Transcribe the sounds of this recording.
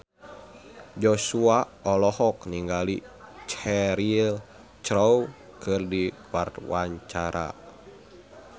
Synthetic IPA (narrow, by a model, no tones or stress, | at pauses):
d͡ʒosuaɔlɔhɔkniŋɡalit͡ʃɛɾil | t͡ʃɾɔu | kɨrdikwart̪waɲt͡ʃaɾʔa̰